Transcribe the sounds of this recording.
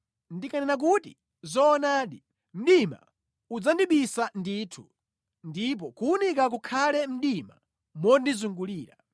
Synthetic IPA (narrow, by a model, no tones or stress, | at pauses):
ndikanɛnak̬utḭ | zɔːnaːɗi | m̩ɗima̰ | ud͡zandiɓisandiːtʰṵ | ndip̬ɔkuunikak̬ukʰalɛm̩ɗima̰ | mɔndizuŋɡuliːɾa̰